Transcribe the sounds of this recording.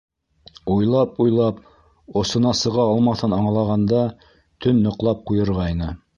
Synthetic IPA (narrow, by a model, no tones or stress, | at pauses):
ujlˠɑpujlˠɑp̚ | ŏsɤ̆nɑsɤ̆ʁɑɑlˠmɑθɤnɑɴlˠɑʁɑnd̪ɑ | t̪ɵnːŏqlˠɑp̚qujɤ̆ɾʁɑjnɤ